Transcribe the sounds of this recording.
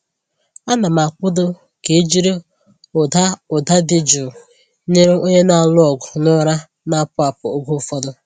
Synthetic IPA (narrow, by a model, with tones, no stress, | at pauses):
a˦na˨ma˨kʊ˦dʊ˦ | ke˨e˦d͡ʒi˦ɾe˦ | ʊ˨da˦ʊ˨da˦dɪ˨d͡ʒʊ˨ | ne˦ɾo˦ɲe˦na˨lɔ˨ɡʊ˨nʊ˦ɾa˦ | na˦pʊ˦a˨pʊ˨o˦ɡo˦˨fɔ˦dʊ˦